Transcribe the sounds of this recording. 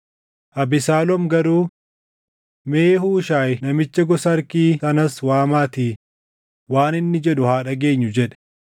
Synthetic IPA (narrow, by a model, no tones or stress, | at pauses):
ʔɐbɪsaːlɔmɡɐɾuː | meːhuːʃaːjnɐmɪt͡ʃːɐɡɔsɐɐɾkiːɐnɐswaːmaːt̪iː | waːnɪnːɪd͡ʒɛᶑʊhaːᶑɐɡe̞ːɲːʊd͡ʒɛᶑɛ̥